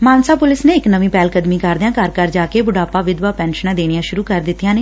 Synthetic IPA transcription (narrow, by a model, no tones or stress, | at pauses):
maːnsaːpʊlɪsnẽːɪknəʋĩːpɛːlkəd̪mĩːkəɾd̪ɪjãːkəɾkəɾd͡ʒaːkeːbʊɖaːpaːʋɪd̪ʋaːpɛ̃ːnʃənãːd̪eːnijãːʃʊɾuːkəɾd̪ɪt̪ijãːneː